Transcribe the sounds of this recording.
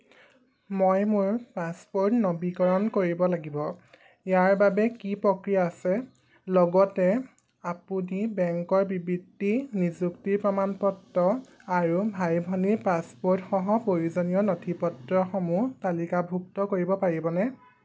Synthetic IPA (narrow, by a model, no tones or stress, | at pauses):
mojmʊɹpaspoɹtnɔbikɔɹɔnkoɹibɔlaɡibɔ | ijaɹbabɛkipɹokɹijaːsɛ | lɔɡɔtɛ | apunibɛŋkɔɹbibidinizuktiɹpɹɔmanpɔtːɔaɹubʱajbʱɔniɹpaspoɹtxɔɦɔpɹoɹuzɔnijɔnotʰipɔtɹɔxɔmutalikabʱuktɔkoɹibɔpaɹibɔnɛ